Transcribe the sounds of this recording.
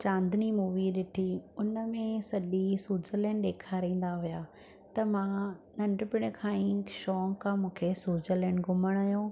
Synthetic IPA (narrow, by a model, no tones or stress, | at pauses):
t͡ɕãːnd̪ʱɪnimuːʋiɗɪʈʰiʊnə̆mẽsɐʄisuːd͡ʑələnɗ̪eːkʰaɾĩːn̆d̪aɦʊjaː | t̪ɐmãːnɐ̃ɳɖpɪɽ̃kʰãːĩʃɔːŋkʰːãmũːkʰesuːd͡ʑələñɡʊməɽ̃ɐɦjõː